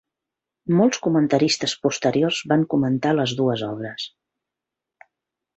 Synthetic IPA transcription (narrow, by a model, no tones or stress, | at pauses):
mɔlˠskumənt̪əɾist̪əspust̪əɾiorzβaŋkumənt̪aləzðuəzɔβ̞ɾəs